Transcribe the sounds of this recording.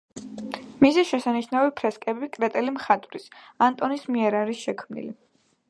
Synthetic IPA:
misiʃɛsaniʃnavipʰɾɛskʼɛbikʼɾɛt̪ʼɛlimχat̪ʼɾisant̪ʼɔnismiɛɾaɾisʃɛkʰmnḭli

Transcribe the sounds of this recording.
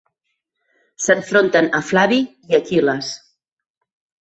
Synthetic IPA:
səɱfɾont̪ənəflaβiiəkiləs

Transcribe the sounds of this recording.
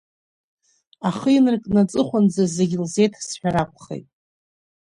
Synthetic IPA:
aχɨinɨrkʼnat͡sʼɨχʷand͡zazeɡʲilze̞jtʰsħᶣaɾakʷʰʼχḛjtʼ

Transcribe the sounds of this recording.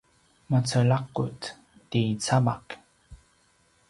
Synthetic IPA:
mat͡səɭaqːut | tit͡sama̰k

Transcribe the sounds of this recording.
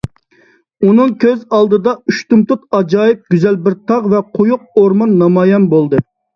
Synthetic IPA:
unɨŋkʲʰøzɑlˠd̪ɨd̪ɑyʃt̪ʊmt̪ʊt̪ɑd͡ʒɑːjip̚ɡʲyzɛlbɪɾt̪ʰɑʁvɛqʰojuq̚oɾmɑnːɑmɑːjɛnbolˠd̪ɨ

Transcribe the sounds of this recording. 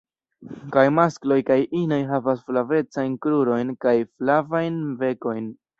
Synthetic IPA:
kajmasklo̞jkajʔino̞jɦavasflave̞t͡sajnkɾuɾo̞jnkajflavajnve̞ko̞jn

